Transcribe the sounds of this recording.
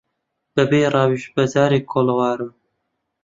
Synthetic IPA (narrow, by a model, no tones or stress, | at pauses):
b̪̥ɐbeːrɑːwiʃbɐzɑːɾiːkʰoːlɐwɑːɾɨ